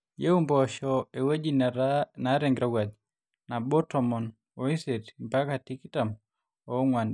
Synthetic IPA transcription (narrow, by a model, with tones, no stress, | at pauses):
je˦u˦mbɔʃɔe˨we˦d͡ʒi˦nnaɾe˨ŋɡɾa˦ɡwa˨d̪ | na˨bɔ˦tɔ˨mɔ˨n | o˨i˦se˨tmpa˦kati˦kita˨m | ɔ˦ŋwa˨nd